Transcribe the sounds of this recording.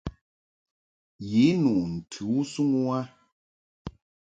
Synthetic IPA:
ji˨˦nu˨ʔn̩˨tʰu˨˦su˦ŋu˦wa˦

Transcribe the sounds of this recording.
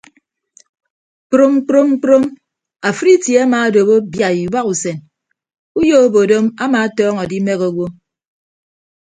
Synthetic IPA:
k͡pɾo˦m˦k͡pɾo˦m̩˦k͡pɾo˦m | a˨fɾi˦tje˨˦a˦maː˨˦do˨bo˦bja˨i˨wa˦ku˨se˨n | u˦jo˦o˦bo˨do˦ma˦maː˨˦tɔː˦ŋɔ˨di˦me˦ɣo˨ɡwo˦

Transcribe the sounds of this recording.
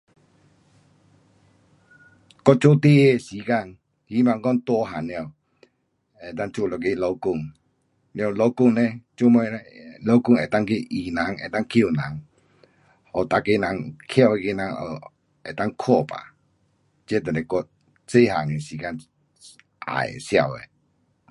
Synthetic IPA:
kɔ˧˨t͡ɕo˦t̪e˦e˧˨siː˨˦ka˧˨n | hi˦ma˨˧ŋkɔ˧ŋt̪wɔ˧˦ɦa˨nj | e˨t̪a˦˧˨ŋt͡ɕu˧˨lɔ˧˨ke˧˦lɔ˧wkʊ˧˨ŋ | llo˧wkʊ˥˧˨ŋnɛ̃˧t͡ɕo˧˦mɔ˧lɔ˧˦kʊ˥˨ŋe˨˩t̪a˧ŋke˧ʔi˨na˨˦ŋe˨t̪a˦˧˨ŋkʰi˦˨nã˨˦ŋ | ɔ˨t̪a˧ke˧˨nã˨˦ŋkʰja˥˧˨e˧ke˧˦˨nã˨˦ŋɔ˧˨ | ɛ˨t̪a˧ŋkʰɔ˥˧˨pa̰˨ | t͡ɕɛ˦t̪ə˨nɛ˨kɔ˧˦ | t͡se˦ɦa˨ŋe˨si˨˦ka˧˨n | ʔa̰˨sja˧˨wḛ˨

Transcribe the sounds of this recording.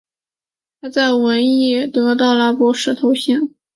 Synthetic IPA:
t̪ʰa˥t͡sa˥˩ɪwə˧˥ni˥˩˨t̪ɤ˧˥t̪̬ɑ˥˩ʊla˧˥pɔ˧˥ʂɻ̩˥˩t̪ʰo˧˥ʊɕjɛ˥˩n

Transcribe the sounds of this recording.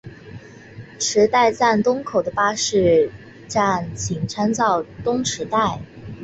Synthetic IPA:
ʈ͡ʂʰɻ̩˧˥t̪a˥˧ɪt͡sa˥˩nt̪ʊ˥ŋkʰo˨˩ʊd̪ə˦pa˥ʂɻ̩˥˩ | ʈ͡ʂa˥˩nt͡ɕʰi˨˩ŋʈ͡ʂʰa˥nt͡sɑ˥˩ʊt̪ʊ˥ŋʈ͡ʂʰɻ̩˧˥t̪a˥˩ɪ

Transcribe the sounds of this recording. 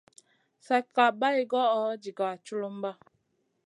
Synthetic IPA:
sa˨ka˨ba˦i˨ɡɔ˦ʔɔ˦d͡ʒi˨ɡa˨t͡ʃu˦lo˦m̩˦ba˦

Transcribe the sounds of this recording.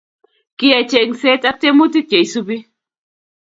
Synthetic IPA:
ki˦ja˨t͡ʃe˨ŋse˦tʼa˦k̚te˦mu˦ti˦ke˨jsu˦bi˦

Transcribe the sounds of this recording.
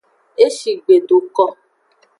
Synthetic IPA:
e˦ʃi˨ɡ͡be˨do˨kɔ˧

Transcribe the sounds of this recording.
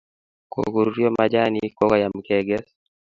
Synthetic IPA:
ko̰ku˨ɾɾjo˦mad͡ʒa˦nikɔ˦ka˨ja˨m˨kɛɡɛ˦s

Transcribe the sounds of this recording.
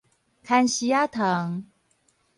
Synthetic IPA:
kʰa˥˧nɕi˥ja˥t̪ʰɤ˨˦ŋ

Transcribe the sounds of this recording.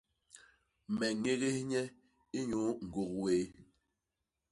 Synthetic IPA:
mɛ˨ŋe˦ɣe˦hɲɛ˦ | i˦ɲo˨˦ŋ̩˨ɡo˨kweː˨˦

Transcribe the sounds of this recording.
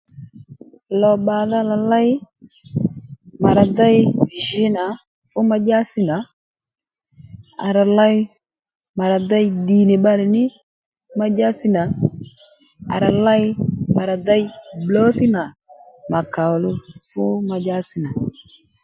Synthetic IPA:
lɔ˨ɓa˨ða˦la˨la˦jɪ˦ | ma˨ɾa˨da˦jʒɪ˦na˨ | fʊ˦ma˦d͡ʒa˦sɪ˦na˨ | a̰˨ɾa˨la˦j | ma˨ɾa˨da˦jɗi˨ne˨ɓa˦lɪ˨nɪ˦ | ma˦d͡ʒa˦sɪ˦na˨ | a̰˨ɾa˨la˦jma˨ɾa˨da˦jblɔ˦θɪ˦na˨ | ma˨ka˨lʊ˦fʊ˦ma˨d͡ʒa˦sɪ˦na˨

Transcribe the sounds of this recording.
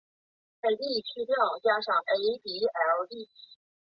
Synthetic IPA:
me˨˩ɪt̪i˥˩˨t͡ɕʰy˥˧t̪o˥˩ŋt͡ɕja˥ʂɑ˥˩ŋʔe˧˥ɪpi˧˥ə˨˧˥t̪i˥˩˨

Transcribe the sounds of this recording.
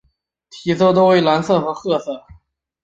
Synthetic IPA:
t̪ʰi˧˨˩so˥˧ʊt̪̬o˥ʊwe˧˥ɪla˧˥nsɤ˥˩xɤ˧˥xɤ˥˧sɤ˥˩

